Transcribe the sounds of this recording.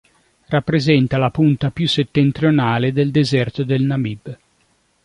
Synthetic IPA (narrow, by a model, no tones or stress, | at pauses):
rapːɾezɛnt̪alapunt̪apjusːet̪ːent̪ɾionaːled̪eld̪ezɛrt̪od̪elnamib